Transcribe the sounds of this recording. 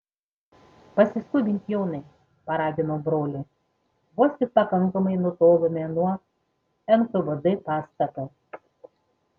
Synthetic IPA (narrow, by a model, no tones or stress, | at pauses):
pɐsʲɪskʊbʲɪnʲt̪ʲjoːnɐɪ | pɐɾɑːd̪ʲɪnoːbɾoːlʲɪ | ʋost̪ʲɪk̚pɐkɐŋkɐmɐɪnʊt̪oːlomʲɛnuɔ | ɛnkʊʋɐd̪ɐpɑːst̪ɐt̪ɐ